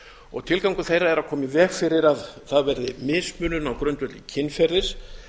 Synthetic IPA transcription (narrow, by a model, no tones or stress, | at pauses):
ɔ̰ɣt̪ʰɪlkawŋkʏθejrːaɛɾaðkʰɔːmɪvɛɣfɪɾɪɾaðθaðvɛɾðɪmɪːsmʏːnʏnawkɾœnt̪œt̪lɪcʰɪnːfɛɾðɪɾ̥